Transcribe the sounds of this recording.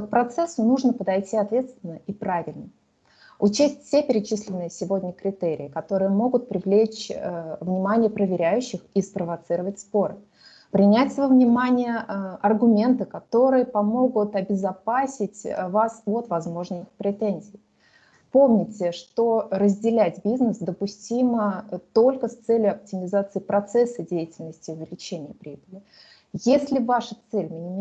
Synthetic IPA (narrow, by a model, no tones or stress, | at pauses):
k̚pɾɐt̪sɛsːʊnuʐnəpəd̪ɐjtʲiɐt̪vʲe̞t̪st̪ʲvʲɪnːəipɾavʲɪlʲnə | ʊt͡ɕesʲtʲfsʲepʲɪɾʲɪt͡ɕislʲɪnːɨjəsʲɪvo̞dʲnʲəkɾʲɪt̪eɾʲɪ̰ɪkɐt̪o̞ɾɨjəmo̞ɡʊt̪̚pɾʲɪvlʲet͡ɕvnʲɪmanʲɪjəpɾəvʲɪɾʲæjʉɕːɪxispɾəvɐt̪sɨɾəvətʲspo̞ɾɨ | pɾʲɪnʲætʲsvvnʲɪmanʲɪjəɐrɡʊmʲe̞nt̪ɨkɐt̪o̞ɾɨjəpɐmo̞ɡʊt̪ɐbʲɪzɐpasʲɪtʲvasot̪vɐzmo̞ʐnɨjpɾʲɪt̪enʲzʲɪː | pomnʲɪtʲɪʂt̪o̞rəzʲdʲɪlʲætʲbʲiznəsd̪əpʊsʲtʲimət̪o̞lʲkəst̪sɛlʲjʊɐp̚tʲɪmʲɪzat̪sɨɪpɾɐt̪sɛsːədʲejɪtʲɪlʲnəsʲtʲɪʊvʲɪlʲɪt͡ɕenʲɪjəpɾʲibəlʲɪ | jesʲlʲɪvaʂət̪sɛlʲmʲɪnʲɪm